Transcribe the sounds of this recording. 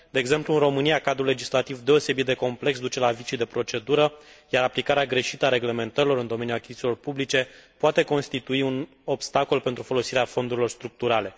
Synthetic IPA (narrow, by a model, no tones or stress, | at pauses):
d̪e̞ːɡze̞mpluːnro̞mɨnijakad̪ɾule̞d͡ʒislat̪ivd̪e̞o̞se̞bit̪̚d̪e̞ko̞mple̞ks̬d̪ut͡ʃe̞lavit͡ʃid̪e̞pɾo̞t͡ʃe̞d̪uɾəjaɾaplikaɾeaɡɾe̞ʃit̪əaɾe̞ɡle̞me̞nt̪əɾilo̞ɾɨnd̪o̞me̞nʲjulakʲi̥zit̪ʲilo̞rpublit͡ʃe̞poat̪eko̞nst̪it̪uiun | o̞bst̪ako̞lpe̞nt̪ɾufo̞lo̞siɾeafo̞nd̪uɾilo̞rst̪ɾuk̚t̪uɾale̞